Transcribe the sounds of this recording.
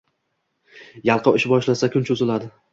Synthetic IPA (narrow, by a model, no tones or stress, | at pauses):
jalˠqʰɨɪʃbɒʃlasakʲʰʊnt͡ʃʰʊzɪlad̪ɪ